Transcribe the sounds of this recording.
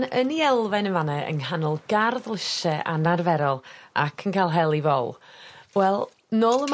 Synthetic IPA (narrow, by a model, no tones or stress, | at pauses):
nəniɛlˠvɛnəvanɛə̰nɦanɔlˠɡ̥arðlˠɪsɛʔanarvɛɾɔlˠa̰kʰənkʰajlˠɦɛlˠivɔlˠwɛlˠ | nɔːlˠəm